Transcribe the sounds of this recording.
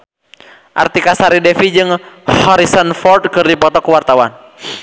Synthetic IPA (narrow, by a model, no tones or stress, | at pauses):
ʔa̰rt̪ikasaɾidɛfid͡ʒɨŋhɔɾisɔnfɔrd̪̚kɨrdipɔt̪ɔkuwart̪awan